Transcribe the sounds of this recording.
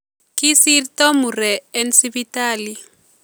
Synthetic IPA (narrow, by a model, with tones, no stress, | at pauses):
ki˦si˦ɾtɔ˦mu˨ɾɛ˨ɛ˦nsi˦bi˦ta˦li˨